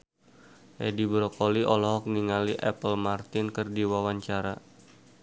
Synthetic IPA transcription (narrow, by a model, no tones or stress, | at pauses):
ʔɛdibɾɔkɔliʔɔlɔɦɔk̚niŋaliʔɛpəlmart̪ɪnkɨrdiwawaɲt͡ʃaɾa